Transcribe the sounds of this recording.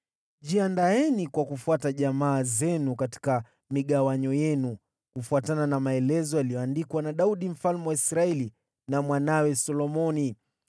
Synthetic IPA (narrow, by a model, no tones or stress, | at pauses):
ʄiandaɛnikwakufuataʄamaːzɛnukati̥ka | miɠawaɲɔjɛnu | kufuatananamaɛlɛzɔjalijɔandikwanaɗauɗim̩falmɛwaisɾaɛli | namwanawɛsɔlɔmɔni